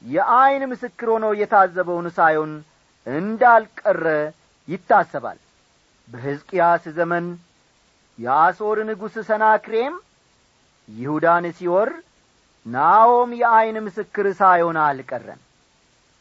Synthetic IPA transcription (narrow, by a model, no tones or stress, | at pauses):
jɛʔajnmɨsɨkːɨɾho̞nəwjɛt̪ʰazːəβəwnsajho̞n | ɨnd̪alkʼərːə | jɪt̪ːasːəβa̰l | bəɦɨzkʼjaszəmən | jɛaso̞ɾnɨɡusɨsənakɾe̞m | jɪhud̪ansiwɔr | nawomjɛajnmɨsɨkːɨɾsajho̞nalkʼərːə̰n